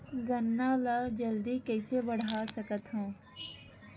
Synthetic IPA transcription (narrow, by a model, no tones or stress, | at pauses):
ɡənːaləd͡ʒəld̪ikɛːsebəɽ̤ʱaːsəkət̪ɦõː